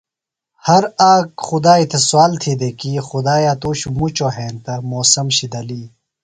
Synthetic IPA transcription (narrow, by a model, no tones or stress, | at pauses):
hɐɾaːkxud̪aːit̪ʰeswaːlt̪ʰid̪ekiːxud̪aːjaːt̪uːɕumut͡ɕoːɦeːnt̪ɐmoːsɐmɕid̪ɐliː